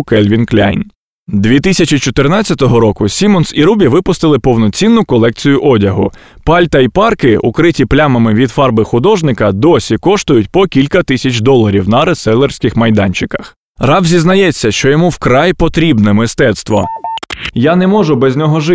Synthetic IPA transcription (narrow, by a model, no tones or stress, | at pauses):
kɛlʲʋʲinklʲa̰jn | d̪ʋʲit̪ɪsʲɐt͡ʃit͡ʃɔt̪ɪrnɑt͡sʲːɐt̪ɔɦɔɾɔkʊsʲimɔnsiɾubʲiʋɪpʊst̪ɪlˠɪpɔwnɔt͡sʲinːʊkɔlˠɛk̚t͡sʲijʊʔɔdʲɐɦʊ | pɑlʲt̪ɐipɑrkɪṵkɾɪtʲiplʲamɐmɪʋʲid̪fɑrbɪxʊd̪ɔʒnɪkɐd̪ɔsʲikɔʃt̪ʊjʊt̚ʲpɔkʲilʲkɐt̪ɪsʲɐt͡ʃʲd̪ɔlˠɐɾʲiwnɐɾesɛlˠɛrsʲkɪxmɐjd̪ɑnʲt͡ʃɪkɐ̥x | rɑwzʲiznɐjɛt͡sʲːɐʃt͡ʃɔjɔmuwkɾɑjpɔt̪ɾʲibnɛmɪst̪ɛt̪st̪ʋɔ̰ | janɛmɔʒʊbɛzʲnʲɔɦɔʒɪ